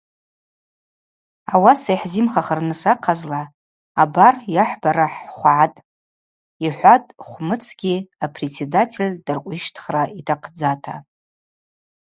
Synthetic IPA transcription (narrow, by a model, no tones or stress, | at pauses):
awasajħzimχaχərnɨsaqʰazlaː | barjaħbaɾaħχʷʕatʼ | iħʷatʼχʷmɨt͡sʰɡ̥ʲiapʰret͡sʰedatʰelʲdɨrqʷʼiʃtʰχraitʰaqʰd͡zatʰa